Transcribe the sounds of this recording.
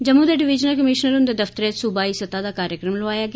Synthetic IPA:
d͡ʒəmũːd̪eːɖɪʋɪd͡ʒnəlkəmɪʃnəɾʊnd̪eːd̪əft̪əɾeːsubaːiːsət̪aːd̪aːkaːɾjəkɾəmləʋaːjaːɡɪ

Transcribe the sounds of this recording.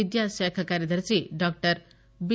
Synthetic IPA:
id̪jasakʰakaɾjʌd̪əɾt͡siɖɔk̚ʈʌɾ | bi

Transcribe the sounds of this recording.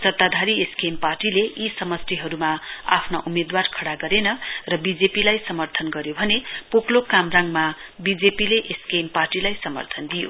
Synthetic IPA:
sʌt̪ːad̪ʱaɾieskemparʈileisʌmʌst̪eɦʌɾumaa̰pʰnaʔumed̪warkʰʌɽaɡʌɾenʌrʌbid͡zepilajsʌmʌrt̪ʰʌnɡʌɾjobʱʌnepoklokamraŋmabid͡zepileʔeskemparʈilajsʌmʌ̰rt̪ʰʌnd̪ijo̰

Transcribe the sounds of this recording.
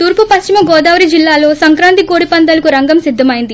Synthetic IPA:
t̪uːɾpupɐst͡ʃimɐɡɔːd̪aːʋɐɾid͡ʒilːaːlo̞ːsɐŋkɾaːnt̪ikoːɽipɐnd̪ɐlɐkuɾɐŋɡɐmsid̪ʱːɐmɐjind̪i

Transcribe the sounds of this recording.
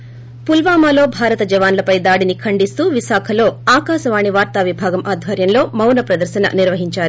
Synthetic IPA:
pulʋaːmaːlo̞ːbʱaːɾɐt̪ɐd͡ʒɐʋaːnlɐpɐjd̪aːɽinikʰɐɳɖist̪uːʋiʃaːkʰɐlo̞ːaːkaːʃɐʋaːɳiʋaːɾt̪aʋibʱaːɡɐmʔaːd̪ʱʋɐɾjɐmlo̞ːmɐwnɐpɾɐd̪ɐɾʃɐnɐ̰niɾʋɐɦiɲt͡ʃaːɾi

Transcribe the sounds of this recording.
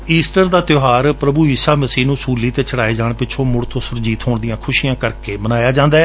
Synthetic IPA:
iːsʈəɾd̪aːt̪joːɦaːɾpɾəbuːiːsaːməsiːnũːsuːliːt̪eːt͡ʃəɽaːeːd͡ʒaːɳpɪt͡ʃʰõːmʊɽt̪ʰõːsʊɾd͡ʒiːt̪ɦoːɳd̪ɪjãːkʰʊʃiːãːkəɾkeːmənaːjaːd͡ʒãːnd̪aːɛː

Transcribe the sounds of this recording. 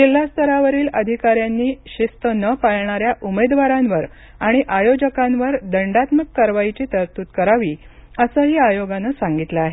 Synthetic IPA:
d͡ʑil̤ːast̪ʰəɾaʋəɾiːləd̪ʱikaɾjanːiːɕist̪ənəpaɭɳ̃aɾjaʔumed̪ʋaɾanʋəɾ | aɽ̃iʔajod͡ʑəkãnʋəɾd̪əɳɖat̪məkːəɾʋajt͡ɕiːt̪əɾt̪uːt̪kəɾaʋiːəsəːɦiːajoɡanəsaŋɡit̪ləaɦe

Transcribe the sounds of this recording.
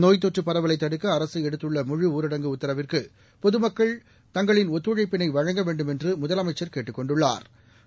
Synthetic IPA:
noːjt̪̬ːɔʈːɯpːɐɾɐʋɐlɐɪt̪ːɐɽɯkːɐɐɾɐsɯɛɽɯt̪ːɯɭːɐmʊɻɯuːɾɪɽɐŋɡɯʊt̪ːɐɾɐʋɪrkɯ | pɔðɯmɐkːɐɭ | t̪ɐŋɡɐɭɪnɔt̪ːɯɻɐɪpːɪnɐɪʋɐɻɐŋɡɐʋeːɳɖɯmɛndrɯmʊðɐlɐmɐɪt͡ʃːɐɾkeːʈːɯkːɔɳɖɯɭːa̰ːɾ

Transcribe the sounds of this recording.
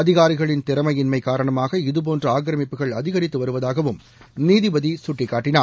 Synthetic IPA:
ɐðɪɣaːɾɪɣɐɭɪnt̪ɪɾɐmɐjɪnmɐɪkaːɾɐɳɐmaːɣɐɪðɯp̬oːndrɐaːɡɾɐmɪpːɯɣɐɭɐðɪɣɐɾɪt̪ːɯʋɐɾɯʋɐðaːɣɐʋɯm | niːðɪʋɐðisʊʈːɪkːaːʈːɪnaː

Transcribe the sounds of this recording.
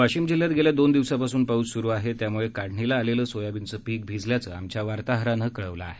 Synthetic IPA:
ʋaɕiːmd͡ʑil̤jat̪ɡeljad̪ond̪iʋsapasuːnpaud͡zsuɾuːaɦet̪jamuɭekaɽɳilaːleləːsojabint͡səːpiːk̚bʱid͡zljat͡sə̰ːamt͡ɕjaʋaɾt̪aɦɾanəkəɭəʋlaːɦe

